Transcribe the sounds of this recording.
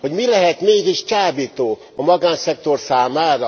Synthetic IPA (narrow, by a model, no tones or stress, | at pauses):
ho̞ɟmilɛɦɛt̪meːɡiʃt͡ʃaːbiːt̪oː | ɒmɒɡaːnsɛk̚t̪o̞rsaːmaːɾɒ